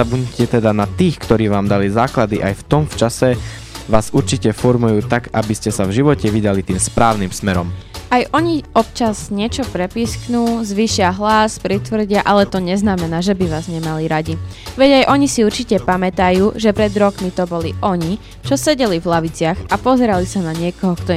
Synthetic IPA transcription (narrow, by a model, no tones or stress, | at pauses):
abuɲcɛt̪ɛd̪anat̪iːxkt̪ɔɾiːʋaːmd̪alizaːklad̪ḭʔajft̪ɔmft͡ʃasɛ | ʋaːzuɾt͡ʃicɛfɔɾmujuːt̪aɡabiscɛsavʒiʋɔcɛʋid̪alit̪iːmspɾaːʊnimsmɛɾɔ̰majʔɔɲiɔp̚t͡ʃaz̥ɲɪɛt͡ʃɔpɾɛpiːsknuːzʋiʃɪaɦlaspɾit̪ʋr̩ɟɪaʔalɛt̪ɔɲɛznamɛnaːʒɛbiʋaːzɲɛmaliɾaɟiʋɛɟajʔɔɲisiuɾt͡ʃicɛpamɛt̪ajuːʒɛpɾɛd̪ɾɔkmit̪ɔbɔliʔɔɲi | t͡ʃɔsɛɟɛlivlaʋit͡sɪaxapɔzɛɾalisanaɲɪɛkɔɦɔkt̪ɔ